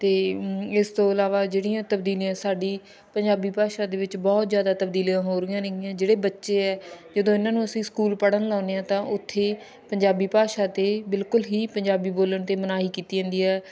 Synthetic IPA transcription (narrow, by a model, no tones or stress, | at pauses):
t̪eːɪst̪õːəlaːʋaːd͡ʒeːɽɪjãːt̪əb̚d̪iːlijãːsaːɖiː | pəɲd͡ʒaːbiːpaːʃaːd̪eːʋɪt͡ʃbɔːt̪zjaːd̪aːt̪əbd̪iːliãːɦoːɾɪjãːneɪjãːd͡ʒeːɽeːbətːʃeːɛːd͡ʒəd̪õːɪnãːnũːəsĩːskuːlpəɽənlaːʊneːãːt̪ãːʔʊt̪ʰːeː | pəɲd͡ʒaːbiːpaːʃaːt̪eːbɪlkʊlɦiːpəɲd͡ʒaːbiːboːləɳt̪eːmənaːɦiːkiːt̪iːə̃ːnd̪iːɛː